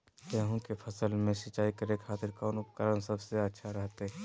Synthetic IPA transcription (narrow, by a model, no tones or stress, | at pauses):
t̪ɛːɦũkepʰɐsəlmẽsət͡ʃaːikəɾekʰaːt̪ɪɾkɔːnʊpəkəɾənsəbseətːʃʰaɾɛɦt̪e